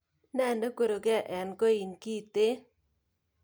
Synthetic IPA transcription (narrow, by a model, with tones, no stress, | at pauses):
nɛ˦˨ndo˦ko˦˨ɾo˨ɡa˨ʔɛ˨nko˦i˨nki˦˨t̪ɪ˦